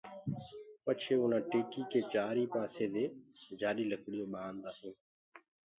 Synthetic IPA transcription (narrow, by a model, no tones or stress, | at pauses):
pət͡ʃʰeːʊnãːʈeːkiːkeːt͡ʃaːɾiːpaːseːd̪eːd͡ʒaːɗiːləkɽɪjõːɓaːnd̪aːɦẽː